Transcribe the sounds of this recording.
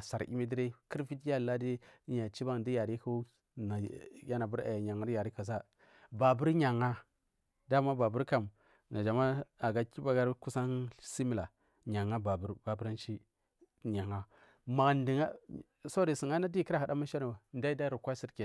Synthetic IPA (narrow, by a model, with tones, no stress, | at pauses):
sa˨ɾḭ˦mi˦di˦ɾe˦ki˦ɾfi˦tja˦˨la˦di˦ɲa˨t͡ʃi˦ba˦ŋ˨di˦ja˨ɾi˦ka˦ | na˨ja˦na˨bu˦ɾa̰˨jɲa˨ŋa˦ja˨ɾi˦ka˨s̬a˦ | ba˨bu˦ɾɲa˨ŋa˦ | da˦˨ma˦ba˨bu˦ɾka˨m | na˨d͡ʒa˨ma˦a˨ɡa˦ki˦ba˦ɡa˦ɾku˦sa˦nsi˦mi˨la˨ | ɲa˨ŋa˦ba˨bu˦ɾba˨bu˦ɾa˦n˦ʃi˦ | ɲa˨ŋa˦ | ma˨ndi˨ŋa˦ | so˦ɾi˨si˨ŋa˦na˦di˦ki˦ɾa˨ha˨da˦ma˦ʃa˦ni˨wa˨n˦da˦i˦da˦ɾu˨kʷa˦si˨ɾke˨